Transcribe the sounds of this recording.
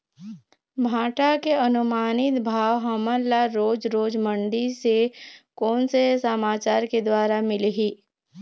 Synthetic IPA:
bʱaːʈakeɐnʊmaːnɪt̪bʱaːwɦɐməlaɾoːd͡ʒɾoːd͡ʒmə̃ɳɖisekɔːnsesəmaːt͡ʃaːɾked̪waːɾamɪleɦiː

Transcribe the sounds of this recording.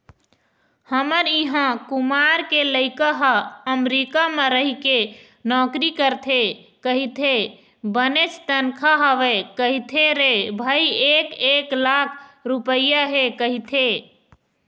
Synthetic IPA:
həməɾiɦãkumaɾkeləɪkəɦaəmɾikameɾəɦike | nɔkɾikəɾt̪ʰekəɦit̪ʰe | bənet͡ʃt̪ənkʰaɦəʋekəɦit̪ʰeɾebʱəjekeklakʰɾupəjaɦekəɦit̪ʰe

